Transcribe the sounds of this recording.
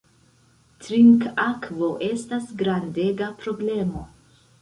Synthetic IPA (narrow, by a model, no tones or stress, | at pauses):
tɾiŋkakvo̞ʔe̞stasɡɾande̞ɡapɾo̞ble̞mo̞